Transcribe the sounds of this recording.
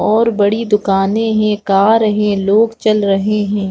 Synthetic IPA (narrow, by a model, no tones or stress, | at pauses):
ɔːɾbɐɽid̪ʊkaːnẽɦɛ̃kaːɾɐɦẽloːɡt͡ʃɐlɾɐɦeɦɛ̃ː